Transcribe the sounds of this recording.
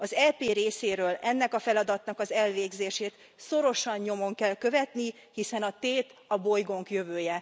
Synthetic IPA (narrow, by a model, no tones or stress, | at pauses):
ɒzɛlpeːɾeːseːɾøːlɛnːɛkɒfɛlɒd̪ɒt̪nɒkɒzɛlveːɡzeːʃeːt̪ | so̞ɾo̞ʃɒɲɲo̞mo̞ŋkɛlkø̞vɛt̪ni | hisɛnɒt̪eːt̪ɒbo̞jɡo̞ŋkjø̞vøːjɛ